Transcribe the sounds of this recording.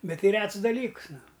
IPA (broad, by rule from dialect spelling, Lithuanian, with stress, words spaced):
ˈbʲɛt ˈtʲɪ ˈrʲɛts dɐˈlʲiːks ˈnʊ